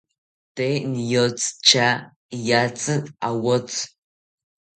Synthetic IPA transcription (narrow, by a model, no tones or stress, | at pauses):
teːnjot͡sʼt͡ʃʰaː | jaːt͡sʼɨawɔt͡sʰʼ